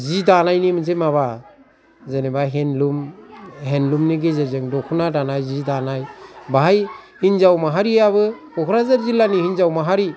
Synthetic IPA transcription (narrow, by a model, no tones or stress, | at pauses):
zidanajnimɯns̬emaβa | zenebaɦenlumɦenlumniɡezezeŋdɔkʰunadanajzidanajbaɦaj | hinzawmaɦaɾiaβɯkɔkʰɾazaɾzilːanihinzawmaɦaɾi